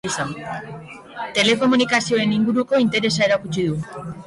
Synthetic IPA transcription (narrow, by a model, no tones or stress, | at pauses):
isan | t̪e̞le̞ko̞munikasio̞e̞niŋɡuɾuko̞int̪e̞ɾe̞sae̞ɾakut͡ʃið̞u